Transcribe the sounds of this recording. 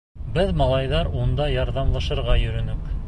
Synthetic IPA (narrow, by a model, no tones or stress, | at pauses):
bɘðmɑlˠɑjðɑɾund̪ɑjɑɾðɑmlˠɑʃɤ̆ɾʁɑjɵ̆ɾɵ̆nɵk